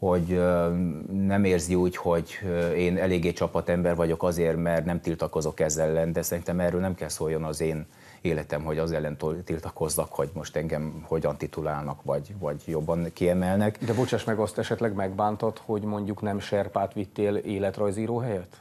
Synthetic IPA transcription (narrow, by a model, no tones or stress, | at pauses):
ho̞ɟ | nɛmeːrziuːcho̞ɟeːnɛleːɡːeːt͡ʃɒpːɒt̪ɛmbɛrvɒɟo̞kɒzeːrmɛrt̪nɛmt̪ilt̪ɒko̞zo̞kɛzɛlːɛnd̪ɛsɛɾint̪ɛmɛːrøːlnɛmkɛlsoːjːo̞nɒzeːn | eːlɛt̪ɛmɦo̞ɟɒzɛlːɛnt̪t̪ilt̪ɒko̞znɒkho̞ɟmo̞ʃt̪ɛŋɡɛmho̞ɟɒn̪t̪it̪ulaːlnɒkʋɒɟvɒɟjo̞bːɒnkiɛmɛlnɛkd̪ɛbot͡ʃaːʃmɛɡɒst̪ɛʃɛt̪lɛɡmɛɡbaːnt̪ot̪ho̞ɟmo̞ɲɟuknɛmʃɛrpaːt̪ʋit̪ːeːleːlɛt̪rɒjziːɾoːɦɛjɛt̪